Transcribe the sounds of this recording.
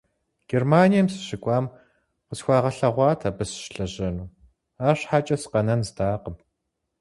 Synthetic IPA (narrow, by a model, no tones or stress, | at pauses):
ɡ̥ermaːnijɐmsɨ̥ɕɪkʷʼɑːm | qəsxʷɑːʁɐɬɐʁʷɑːtʰɐbɨsʃɬɐʑɐnuː | aːɕħat͡ʃʼɐsqɐnɐnzdaːqəp̚